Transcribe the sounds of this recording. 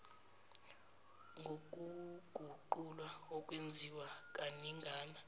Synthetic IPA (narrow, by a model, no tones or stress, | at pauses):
ŋɡʱok̬ʼuɡ̥ʱuǃulwaɔkʼwend͡zʱiwakʼaniŋɡʱaːna